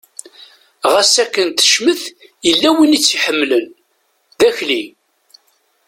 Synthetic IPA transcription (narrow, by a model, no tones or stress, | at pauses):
ʁasækːənt̪ə̥ʃməθjəlːæwinit͡sːiħəmːlən | ðæçli